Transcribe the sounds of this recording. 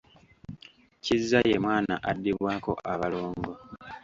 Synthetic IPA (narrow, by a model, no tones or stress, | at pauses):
cizːajemwaːnaʔadːiβwaːko̞̰ʔaβaloːŋɡo̞